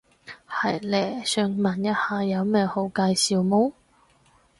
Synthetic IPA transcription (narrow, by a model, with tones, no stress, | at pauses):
hɐ˨˩jlɛː˨˩sœː˧ŋmɐ˨˩njɐ˥t̚haː˨jɐ˨˧wmɛː˧ho˨˧˥wkaː˧jsiː˨wmoː˥